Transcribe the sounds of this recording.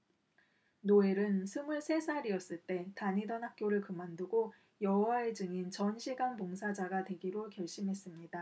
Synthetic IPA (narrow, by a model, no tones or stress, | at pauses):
noe̞ɾɯnsʰɯmuɭsʰe̞sʰaɾiʌs͈ɯɭt͈e̞taɲidʌnɦhak̚k͈joɾɯɭkɯmanduɡo | jʌwaed͡ʑɯŋint͡ɕʌnɕʰiɡanpoŋsʰad͡ʑaɡadwe̞ɡiɾokjʌɭɕ͈imɦe̞s͈ɯmɲida